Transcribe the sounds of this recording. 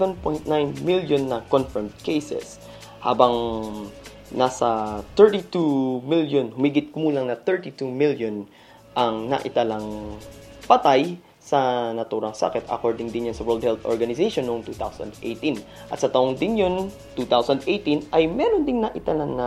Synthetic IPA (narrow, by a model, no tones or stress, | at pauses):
ɛnpojnt̪̚najnmiljonːɐkonfɛɹmd̪̚kejsɛ̰s | ha̰ːbɐŋ | nasɐt̪ɛɹt̪it̪umiljonhʊmiːɡɪt̪̚kʊmuːlɐŋnɐt̪ɛɹt̪it̪umiljon | ʔɐŋnɐ̰ʔɪt̪ɐlaŋ | pɐt̪aj | sɐnɐt̪uːɾɐŋsa̰kɛt̪ɐ̰koɹd̪ɪŋd̪ɪnjonsɐwɛɹld̪̚hɛlt̪ʔoɹɡɐnɪseʃonːooŋt̪uːt̪a̰wsɐ̰̃nd̪ʔḛjt̪in | ʔɐt̪sɐt̪ɐʔoŋd̪ɪnjon | t̪uːt̪awsɐnd̪ʔejt̪inʔɐjmɛɾond̪ɪŋnɐʔɪt̪ɐlaŋnɐ